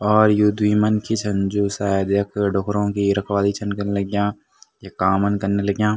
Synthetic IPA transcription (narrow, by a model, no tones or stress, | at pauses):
ɔːɾjud̪ʱʋiːmənkit͡ʃʰɐ̃nd͡ʒuːsaːjd̪jɐkɖʱoːkɾõkiɾɐkʰwaːd̪it͡ʃʰɐnkɐɾnelɐɡjãː | jekaːmənkɐɾnelɐɡjãː